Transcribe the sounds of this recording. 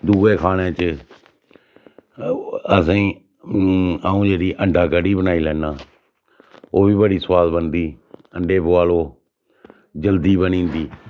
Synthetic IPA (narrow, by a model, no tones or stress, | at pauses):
d̪uːeːkʰaːɽẽːt͡ʃɪ | əs̬ĩː | aːũːd͡ʒeːɾiːʔəɳɖʱaːkəɖiːbənaːiːlɛ̃ːnaː | oːbiːbəɽiːsʋaːd̪bənd̪iː | əɳɖeːbʊaːloː | d͡ʒəld̪iːbənĩːnd̪iː